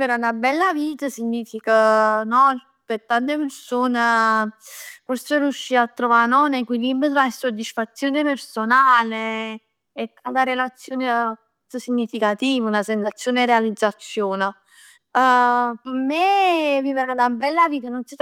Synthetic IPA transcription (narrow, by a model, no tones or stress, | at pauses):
iveɾanabɛlːaviːt̪əsiɲːiːfikənɔ | pet̪ːant̪epeɾsoːne | forserjuʃːiːat̪ːɾovanɔnekwilimbəslasod̪isfat̪sːjoːnepersonaːleː | t̪ːant̪aɾelat̪sːjoːne | t̪əsiɲːifikat̪iːvəunasensat̪sːjoːnɛrealid̪zːat̪sːjoːnə | pəmeviveɾanabɛlːaviːt̪anonsi